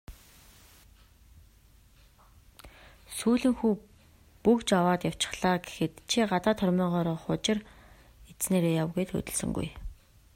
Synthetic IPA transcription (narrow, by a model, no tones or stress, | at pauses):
suːɮĭŋxuː | pukt͡ɕawaːt̪jaw̥t͡ɕɪ̥̆χɮ̥aːɡe̥xɘ̆t̪t͡ɕʰiɢat̪aːt̪ʰœrʲmiːɴɢɔːɾɔːχʊt͡ɕɪ̆r | et͡sneːɾeːjawɣujt̪ʰxɵ̰t̪ɵ̆ɮsɵ̰̆ŋɡṵj